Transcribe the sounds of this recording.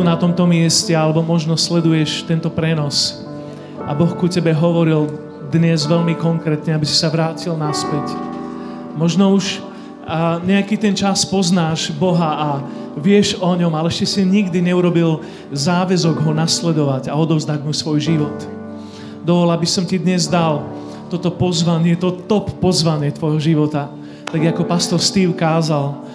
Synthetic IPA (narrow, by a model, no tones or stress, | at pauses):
nat̪ɔmt̪ɔmɪɛscɛalɛbɔmɔʒnɔslɛd̪ujɛʃt̪ɛnt̪ɔpɾɛnɔs | ʔabɔxkucɛbɛɦɔʋɔɾil | d̪ɲɛzʋɛʎmikɔŋkɾɛːt̪ɲɛabisi̥saʋɾaːcilnaspɛc | mɔʒnɔuʃ | ɲɛakit̪ɛnt͡ʃaspɔznaːʒbɔɦaː | ʋɪɛʒɔɲɔmalɛɛʃcɛsiɲiɡd̪iɲɛuɾɔbil | zaːʋɛzɔɡɦɔnaslɛd̪ɔʋaɟaɔd̪ɔvzd̪aɟmusʋɔjʒiʋɔt̪ | d̪ɔʋɔlabisɔmcid̪ɲɛzd̪al | t̪ɔt̪ɔpɔzʋaɲɪɛt̪ɔt̪ɔpːɔzʋaɲɪɛt̪ʋɔjɦɔʒiʋɔt̪a | t̪aɡakɔpast̪ɔɾst̪iːʊkaːzal